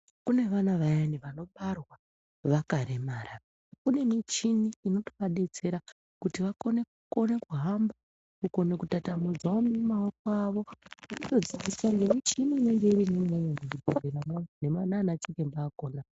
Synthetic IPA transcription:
kune̞ʋanaʋajaniʋano̞ɓarwa | ʋakaɾe̞maɾa | kune̞mit͡ʃiniːno̞to̥paɗe̞t͡se̞ɾa | kutiʋakone | kone̞kuɦamba | kuko̞ne̞kutatamud͡zwaomemaok̚oaʋo̞unoto̞d͡zid͡zisaŋɡemit͡ʃinine̞ŋɡeiɾineŋeɲeŋɡekuɡʱoreɾamane̞mananat͡ʃekembaːko̞ːna

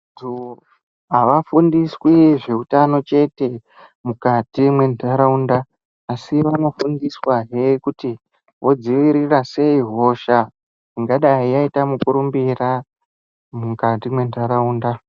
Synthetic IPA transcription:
tu | ɦaʋafundiswiʐe̞utano̞t͡ʃe̞te̞ | mukatimwe̞naɾaundaː | siʋano̞fundiswaɦekuti | ʋo̞d͡ziʋiɾirase̞iɦo̞ːʃa | niŋɡaɗaɦijaitamukuɾumbira | mukatimwe̞ndʱaɾauːnda

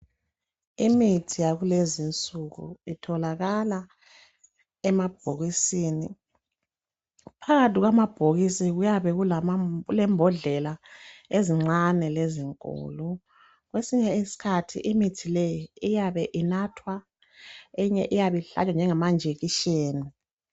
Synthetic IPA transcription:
imitʰijaɣulezint͡sʼuɣṵitʰɔlaɣala | ɛmab̥ʱoɣisiːni | pʰaɣatʰiɣwamab̥ʱoɣisiɣujaβɛɣulalɛmbʱɔɮɛlaeziŋ͡ǁanɛleziŋkʼɔ̰ːlɔ | ɣwesiɲɛisi̥kʰatʰḭʔimitʰilɛjiijaβɛʔinatʰwa | ɛɲɛʔijaβɛɬa̰t͡ʃʼand͡ʒʱɛŋamand͡ʒʱeɣiʃeːni

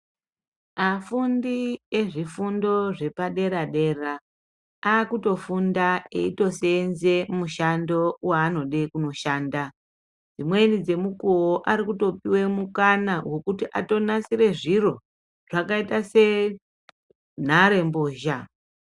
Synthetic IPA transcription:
afundieʐifundo̞ʐe̞paɗe̞ɾaɗe̞ra | aːkuto̞fundaeito̞senzemuʃando̞waːno̞ɗe̞kuno̞ʃaːnda | d͡zimwe̞nid͡ze̞mukuoʔaɾikuto̞piwe̞mukanawe̞kutiʔa̰to̞nasiɾe̞ʐiro̞ | ʐ̥akaitase̞ | n̤aɾe̞mboːʒa

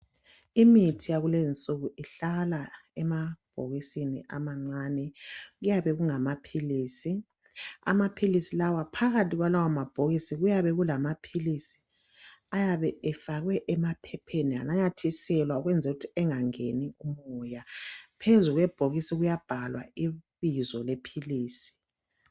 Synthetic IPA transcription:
imitʰijaɣulezint͡sʼuɣuiɬalaɛmab̥ʱo̰ɣisinḭʔa̰maŋ͡ǀanɛɣujaβɛɣuŋamapʰiliːsi | a̰mapʰilisilawapʰaɣatʰʼiɣwalawamab̥ʱoɣisiɣujaβɛɣulamapʰilisi̥ | ajaβɛɛfaɣwɛʔɛmapʰɛpʰenia̰najatʰisɛlwauɣwɛnd͡zʱɛutʰiɛŋaŋeniumujapʰezuɣwɛb̥ʱoɣisiɣujab̥ʱalwa̰iβizɔlepʰiliːsi̥

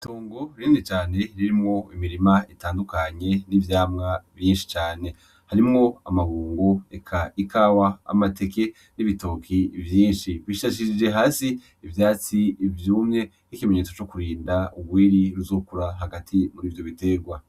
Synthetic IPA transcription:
toːŋɡoɾiːnit͡ʃaːne̞ɾiɾimŋo̞imiɾimaitaːndukaɲe̞nivjaːmŋavjiːnʃi̥t͡ʃaːne̞ | haɾimŋo̞a̰maɡuːŋɡoekʰaikaːwaa̰mate̞ke̞ | niβitokʰivjiːnʃiβiʃaʃiid͡ʒe̞ɦaːsiː | vjaːt͡sivjuːmɲe̞ | nikimeɲe̞ːt͡so̞t͡ʃo̞kuɾiːndauɡwiːɾiɾuzo̞ːkuɾaɦaɡatʰimuɾiːvjo̞βite̞ɡwa

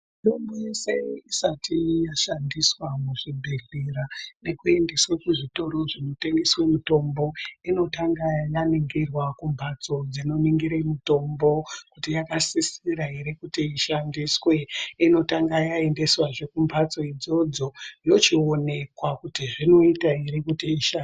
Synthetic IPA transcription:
ito̞mboje̞se̞isatijaʃandiswamuʐibʱeɮirane̞kue̞ndeswekuʐito̞ɾo̞ʐino̞te̞ŋɡeswemuto̞mbo̞ino̞taŋɡajaniŋɡirwakumbʱat͡so̞d͡zino̞niŋɡiɾemuto̞mbo̞kutijakasisiɾaiɾikutiiʃandiswe̞ino̞taŋɡajae̞nde̞swaʐe̞kumbʱat͡so̞id͡zo̞d͡zo̞jo̞t͡ʃione̞kwakutiʐino̞itaiɾikutiiʃa

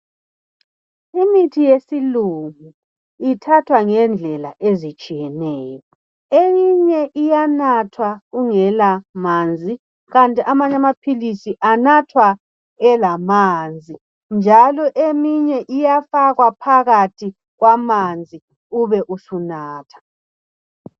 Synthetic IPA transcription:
imitʰijesiluŋu | itʰatʰwaŋɛnd͡ɮʱɛlaʔezit͡ʃʼijɛnɛːjɔ | emiɲɛʔijanatʰwaɣuŋɛlamand͡zʱi | ɣantʼiʔamaɲamapʰilisiʔanatʰwa | ɛlamaːnd͡zʱi | nd͡ʒʱalɔʔemiɲɛʔijafaɣwapʰaɣatʰi | ɣwamand͡zʱi | uβɛʔusunaːtʰḁ

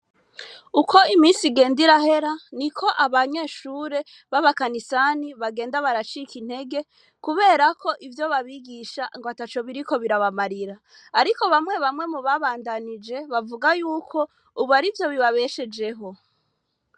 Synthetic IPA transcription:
ukʰo̞imiːnsiɡe̞ːndiɾaɦe̞ɾanikʰo̞ʔaβaɲe̞ːʃuːɾe̞ | βaβakanisaniβaɡe̞ːndaβaɾat͡ʃikin̥he̞ɡe̞ | kuβe̞ːɾakʰo̞ʔivjo̞βaβiɡiʃaŋɡoatat͡ʃo̞βiɾiko̞βiɾaβamaɾiɾaː | ɾiko̞βamŋe̞βamŋe̞muβaβaːndanid͡ʒe̞βavuɡajuːkʰo̞ | uβaɾivjo̞βiβaβe̞ʃe̞d͡ʒe̞ɦo̞

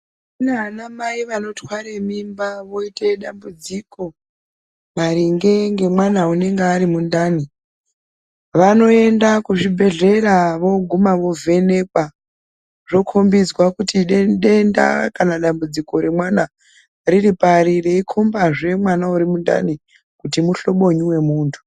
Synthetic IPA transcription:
ineɦanamaiʋano̞twaɾemimbaʋo̞iteɗambud͡ziko̞ | maɾiŋɡe̞ŋɡe̞mwanaune̞ŋɡeaɾimundaːni | ʋano̞e̞ndakuʐibʱe̞ɮe̞ɾaʋo̞ɡʱumaʋo̞vʱe̞ne̞kwa | ʐo̞kʰo̞mbid͡zwakutiɗeɗenda̰kanaɗambud͡ziko̞ɾe̞mwana | riripaɾireikʰombaʐe̞mwanauɾimunda̰ni | kutimuɬo̞ɓo̞ɲuwe̞muːntʰu̥

